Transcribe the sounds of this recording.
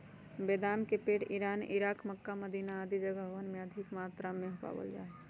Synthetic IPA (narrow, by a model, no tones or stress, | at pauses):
beːd̪aːnkepeːʈiɾaːnḭɾaːkməkːaməd̪iːnaːd̪id͡ʒəɡəbəʋənmẽəd̪ʱɪkmaːt̪ɾamẽɦopa̰bə̰ld͡ʒa̰ːe